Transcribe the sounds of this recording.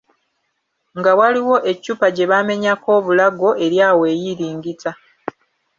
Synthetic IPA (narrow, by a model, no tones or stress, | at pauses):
ŋɡawaliwo̞ʔe̞cːupaɟe̞βame̞ɲako̞ːβulaɡo̞e̞ɾjaːwe̞ːjiɾiːŋɡita